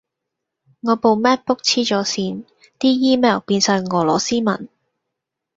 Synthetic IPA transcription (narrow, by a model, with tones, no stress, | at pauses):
ŋɔː˨˧po˨˧wmɛː˥t̚pʊ˥k̚t͡sʰiː˥t͡ʃɔː˨˥siː˧n | t̪iː˥jiː˥mɛː˨˩wpiː˧nsœ˨˧ŋŋɔː˨˩lɔː˨˩siː˥mɐ̰˨˩n